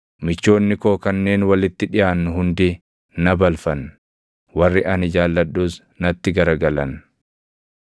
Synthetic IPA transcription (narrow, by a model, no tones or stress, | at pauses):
mɪt͡ʃːo̞ːnːɪkoːkɐnːe̞ːnwɐlɪt̪ːɪᶑɪjaːnːʊhʊnd̪ɪ | nɐbɐlfɐn | wɐrːɪʔɐnɪd͡ʒaːlːɐɗːuːs | nɐt̪ːɪɡɐɾɐɡɐlɐn